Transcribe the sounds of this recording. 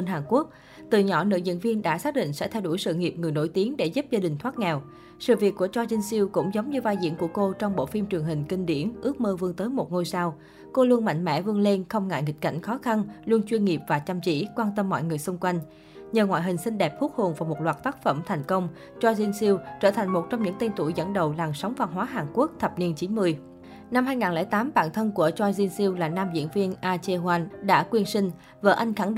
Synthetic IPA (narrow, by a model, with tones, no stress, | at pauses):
nɦaː˨˩ŋku˦˥ək̚ | t̪ɨ˨˩ɲɔ˧˩nɨ̰˧˥jzḭ˧˥nvi˧ənɗa̰ː˧˥saː˦˥k̚ɗḭ˧˨ŋ̟sɛ̰˧˥t̪ʰɛ˧wɗu˧˩jsɨ̰˧˨ŋi˨˩əp̚ŋɨ˨˩əjno˧˩jt̪i˨˦ənɗe˧˩zu˦˥p̚zaː˧ɗï˨˩ŋ̟t̪ʰwaː˦˥t̚ŋɛ˨˩w | sɨ̰˧˨vi˨˩əkːu˧˩ət͡ɕɔ˧zï˧ŋsi˧əwkʊ̰˧˥ŋ͡mzə˨˦wŋ͡mɲɨ˧vaː˧jzḭ˧˥ənku˧˩əko˧t͡ɕɔ˧wŋ͡mɓo̰˧˥fi˧mt͡ɕɨ˨˩əŋɦï˨˩ŋ̟kï˧ŋ̟ɗḭ˧˩ənʔɨ˦˥ək̚məː˧vɨ˧ənt̪əː˨˦jmo˨˩t̚ŋo˧jsaː˧w | ko˧lu˧ənma̰˧˨ŋ̟mɛ̰˧˥vɨ˧ənle˧nxə˧wŋ͡mŋa̰ː˧˨jŋi˨˩k̟̚ka̰˧˩ŋ̟xɔ˨˦xa˧nlu˧ənt͡ɕwi˧ənŋi˨˩p̚vaː˨˩t͡ɕa˧mt͡ɕḭ˧˥kwaː˧nt̪ə˧mːɔ̰˧˨jŋɨ˨˩əjsʊ˧ŋ͡mkwa˧jŋ̟ | ɲəː˨˩ŋwa̰ː˧˨jɦï˨˩ŋ̟sï˧ŋ̟ɗɛ˨˩p̚fu˦˥t̚ho˨˩nvaː˨˩mo˨˩t̚lwaː˨˩t̚t̪aː˦˥k̚fə˧˩mt̪ʰa˨˩jŋ̟kə˧wŋ͡m | t͡ɕwaː˧jzi˧ənsi˧əwt͡ɕəː˧˩t̪ʰa˨˩ŋ̟mo˨˩t̚t͡ɕɔ˧wŋ͡mɲɨ̰˧˥ŋt̪i˧nt̪ṵ˧˩jzə̰˧˥nɗə˨˩wlaː˨˩msa˨˦wŋ͡mva˧nɦwaː˨˦ɦaː˨˩ŋku˦˥ək̚t̪ʰə˨˩p̚ni˧ənt͡ɕi˨˦nmɨ˧əj | na˧mɦaː˧jŋaː˨˩nlɛː˧˩jt̪aː˨˦mɓa̰ː˧˨nt̪ʰə˧nku˧˩ət͡ɕwaː˧jzi˧ənsi˧wlaː˨˩naː˧mzḭ˧˥ənvi˧ənʔaː˧t͡ɕe˧ɦwa˧nɗa̰ː˧˥kwi˧ənsï˧ŋ̟ | və̰ː˧˩ʔa˧jŋ̟xa˧˩ŋɗ